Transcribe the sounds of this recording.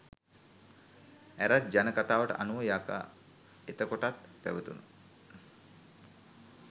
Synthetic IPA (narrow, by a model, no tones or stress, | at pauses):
æɾat̪̚d͡ʒanəkat̪aːʋəʈə̰ʔanuʋəjaka̰ | et̪əkoʈat̪pæ̰ʋət̪unə